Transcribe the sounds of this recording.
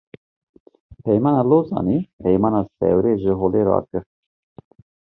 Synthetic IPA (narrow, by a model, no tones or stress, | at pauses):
pʰɛjmɑːnɑloːzɑ̰nipɛjmɑːnɑsɛ̰wɾeːʒəɦoleɾɑ̰ːkɨɾ